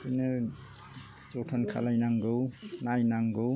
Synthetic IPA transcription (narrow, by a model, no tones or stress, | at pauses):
ɯjnɯ | t͡ʃɔtʰɔnkʰa̰lajnaŋɡɯwnajnaŋɡɯw